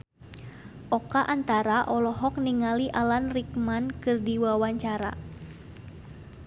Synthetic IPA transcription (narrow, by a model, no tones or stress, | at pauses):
ʔɔkaʔant̪aɾaʔɔlɔɦɔk̚niŋaliʔalanrik̚mankɨrdiwawaɲt͡ʃaɾa̰